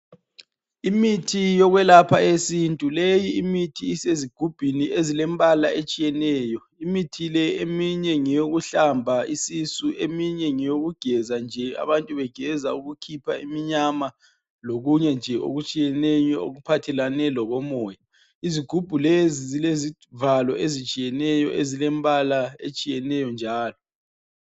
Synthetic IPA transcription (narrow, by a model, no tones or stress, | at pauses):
imitʰijɔɣwɛlapʰaesintʼulejiːmitʰiːseziɡ̥ʱub̥ʱiniezilɛmbʼalaet͡ʃʼijɛnɛːjɔ | imitʰilɛemiɲɛŋɛjoɣuɬambʱaisisuʔemiɲɛŋɛjoɣuɡ̥ʱɛzand͡ʒʱɛa̰βantʼuβɛɡ̥ʱɛzauɣukʰipʰaimiɲama | loɣuɲɛnd͡ʒʱɛʔo̰ɣut͡ʃʼijɛnɛjɔo̰ɣupʰatʰɛlanɛlɔɣɔmɔːja | iziɡ̥ʱub̥ʱulezizilezi | valɔ̰ʔezit͡ʃʼijɛnɛjɔ̰ʔezilɛmbʼalaet͡ʃʼijɛnɛjɔnd͡ʒʱaːlɔ